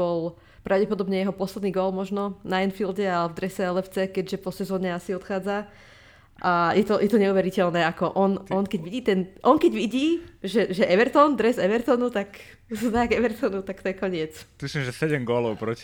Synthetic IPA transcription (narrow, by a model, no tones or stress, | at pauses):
ɔl | pɾʔaʊɟɛpɔd̪ɔbɲɛjɛɦɔpɔslɛd̪niːɡɔlmɔʒnɔnainfilɟɛalɛvd̪ɾɛsɛɛlɛft͡sɛkɛɟʒɛpɔsɛzɔːɲɛasiɔt̪xaːd͡za | ʔajɛt̪ɔjʔɛt̪ɔɲɛuʋɛɾicɛlnɛːakɔʔɔnɔnkɛɟʋiɟiːt̪ɛnʔɔŋkɛɟʋiɟiːʒɛʒɛʔɛʋɛɾt̪ɔnd̪ɾɛzɛʋɛɾt̪ɔnut̪ak | znaɡɛʋɛɾt̪ɔnut̪ak̚t̪ɔjɛkɔɲɪɛt͡smislimʒɛsɛɟɛmɡɔlɔʊpɾɔci̥